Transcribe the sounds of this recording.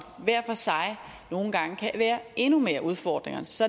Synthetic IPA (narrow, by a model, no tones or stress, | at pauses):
ʋæɐ̰fɒ̽sɑ̈ɪ | no̝ːn̩ɡ̥ɑ̈ŋəkʰæʋæːɐʔe̝nume̝ːɐʔuð̞ˠfɒ̰ːd̥ʁeŋɐnsɒ̽